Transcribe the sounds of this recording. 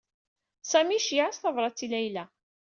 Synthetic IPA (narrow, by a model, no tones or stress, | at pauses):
sæmiʃjʕasθɑvɾˤɑt͡sːilæjlæ